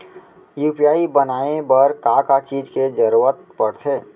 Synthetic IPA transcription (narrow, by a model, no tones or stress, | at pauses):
juːpijaːibənaːebəɾkakat͡ʃiːd͡ʒked͡ʒəɾuət̪̚pəɽt̪ʰeː